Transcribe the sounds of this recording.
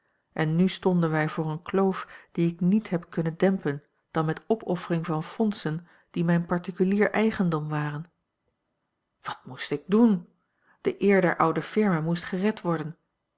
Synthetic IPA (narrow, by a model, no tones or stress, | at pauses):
ʔɛnːystɔndənʋɛjvʊːɹənklowfd̥iɪknitɦɛpkɵnədɛmpən | d̥ɑnmɛtɔpʰɔfərɪŋvɑnfɔnsən | d̥imɛjnpɑɹtikyliːɹʔɛjχəndɔmʋaːʁən | ʋɑt̚mustɪɡ̚dun | d̥əʔɪːɹdɛɹʔʌwdəfɪɹmaːmustχərɛtʋɔɹdən